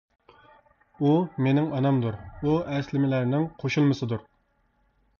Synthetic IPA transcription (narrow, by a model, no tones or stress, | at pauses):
umenɪŋɑnɑmd̪uɾuɛslɪmɪlæɾnɪŋqʰoʃulˠmɨsɨd̪uɾ